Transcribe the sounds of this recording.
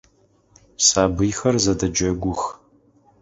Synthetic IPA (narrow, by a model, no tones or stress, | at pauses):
saːbɨjxɐrzɐdɐd͡ʒɐɡʷʊx